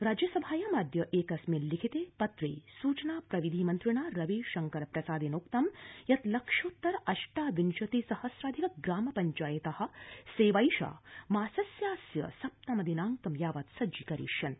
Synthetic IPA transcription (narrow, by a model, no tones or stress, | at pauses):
ɾaːd͡ʒjɐsɐbʱaːjɐmaːd̪ʱjɐʔeːkɐsmeːlːikʰit̪eːpɐt̪ɾḛːsuːt͡ʃɐnaːpɾɐʋid̪ʱimɐnt̪ɾiɳaːɾɐʋiːʃɐŋkɐɾpɾɐsaːd̪inoːkt̪ɐmjɐt̪lɐkʂoːt̪ːɐɾɐʃʈaːʋinʃɐt̪isɐhɐsɾaːd̪ʱikɐɡɾaːmɐpɐɲt͡ʃaːjɐt̪ɐhɐ̆seːʋɐjʃa̰ːmaːsɐsjaːsjɐ̰sɐp̚t̪amɐd̪inaːŋkɐmjaːʋɐːt̪sɐd͡ʒikɐɾḭːʃjɐn